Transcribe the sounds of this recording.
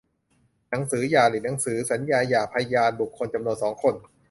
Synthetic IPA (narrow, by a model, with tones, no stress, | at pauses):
na˩˦ŋsɯː˩˦jaː˨˩li˨˩na˩˦ŋsɯː˩˦sa˩˦njaː˧jaː˨˩pʰa˧ja˧jaː˧nbu˨˩kʰːo˧nt͡ɕa˧mnu˧ənsɔː˩˦ŋkʰo˧n